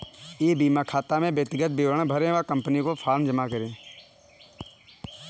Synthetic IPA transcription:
eːbiːmakʰaːt̪amẽbjəkt̪ɪɡət̪̚bɪʋəɳ̃bʱəɾẽʋakə̃mpənikopʰaːɾmd͡ʒəmakəɾẽː

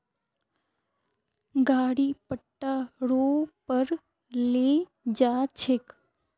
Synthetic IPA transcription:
ɡaːɽiːpəʈːaːɾoːpəɾ | leː | d͡ʒaːt͡ʃʰek

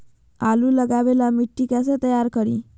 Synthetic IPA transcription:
aluləɡaʋelamiʈːikas̬et̪əjaɾkəɾḭ

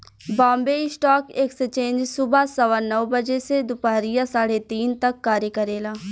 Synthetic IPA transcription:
bãːmbeːɪsʈɔːkeːksət͡ʃẽːnd͡ʒsʊbasɐʋanɐʋbəd͡ʒesed̪ʊpaːɾijasaːɽet̪iːnt̪ɐkːaːɾjəkɐɾeːlaː

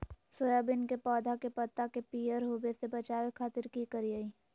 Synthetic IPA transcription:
soːjabɪnkepɔːd̪ʱakepɐt̪ːakepiːjəɾɦoːbesebɐt͡ʃaːʋekʰaːt̪ɪɾkikɐɾiaiː

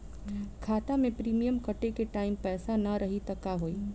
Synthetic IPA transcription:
kʰaːt̪amẽpɾiːmijəmkɐʈekeʈaːɪmpɛːsanɐɾɐɦit̪ɐkːaɦoːiː

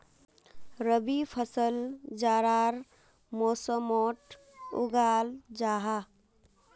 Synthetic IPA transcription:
ɾəbipʰəsəld͡ʒaːɾaɾ | mosəmoʈ | ṵɡaːld͡ʒaɦa

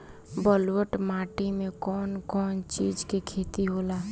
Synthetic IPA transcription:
bəlwəʈmaːʈimẽkɔːnkɔːnt͡ʃiːd͡ʒkekʰet̪iɦoːlaː

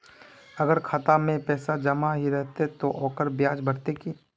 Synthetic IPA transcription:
ɐɡəɾkʰat̪amẽpɛːsad͡ʒɐmaɦiɾɛɦt̪et̪oʔɔːkəɾbjaːd͡ʒbʱəɽt̪eki

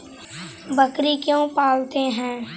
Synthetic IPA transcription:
bəkɾikjõːpaːlt̪eɦɛ̃ː

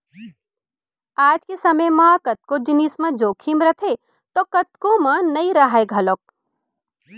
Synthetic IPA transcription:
aːd͡ʒkesɐməjmaːkɐt̪̚kod͡ʒɪniːsmãd͡ʒoːkʰimɾɐt̪ʰe | t̪okɐt̪kõmãnɐĩɾaɦaeɡʱɐloːk̚

